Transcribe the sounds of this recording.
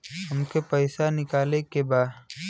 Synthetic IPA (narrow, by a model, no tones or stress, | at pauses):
ɦɐmkepəɪsanɪkaːlekebaːd̪